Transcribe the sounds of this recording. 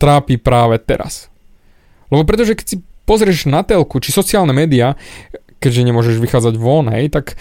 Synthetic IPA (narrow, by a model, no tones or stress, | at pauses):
t̪ɾaːpiːpɾaːʋɛt̪ɛ̰ɾa̰s | lɛbɔp̬ɾɛt̪ɔʒɛkɛ̥csipɔzɾɪɛʒnat̪ɛlkut͡ʃisɔt͡siɪaːlnɛmɛːd̪ia | kɛɟʒɛɲɛmʊɔʒɛʒʋixaːd͡zaɟʋɔnɦɛjt̪ak